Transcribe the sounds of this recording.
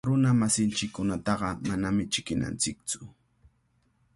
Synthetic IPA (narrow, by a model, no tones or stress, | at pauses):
ɾʊnamasɪnt͡ʃɪkːʊnat̪ɑɢɑmanamɪt͡ʃɪkɪna̰nt͡sɪk̚t͡sʊ̥